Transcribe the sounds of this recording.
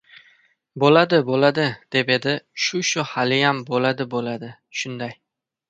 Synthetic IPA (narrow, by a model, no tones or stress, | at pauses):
bolad̪ɪbolad̪ɪd̪̥e̞pe̞d̪ɪʃʊʃʊhalɪjambolad̪ɪbolad̪ɪ | ʃʊnd̪aj